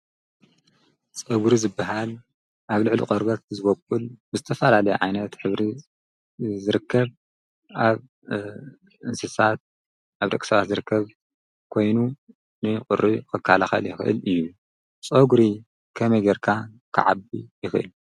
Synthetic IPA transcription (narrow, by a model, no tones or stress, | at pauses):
t͡sʼoɡɾizɨbːaɦal | ʔaβlɨʕlṵqʼɐɾbɐt̪̚zɨβɐkʼːulbɨzɨt̪ʰɐfɐlalɐjɛʕajnɐt̪ħɨβɾi | zɨɾɨkʰːɐβ | aβ | ɨnsɨsat̪̚ | ʔaβd̪ɐ̰kʼsɐβat̪zɨɾɨkʰːɐβ | kʰo̞jnu | nɨqʼʊɾʔikʰɨkʰːalaxɐ̰ljɪxɨʔɨ̰lɨjːu | t͡sʼoɡɾi | kʰɐmɐjɡeɾkʰa | kʰɨ̰ʕa̰bijɪxɨɨ̰l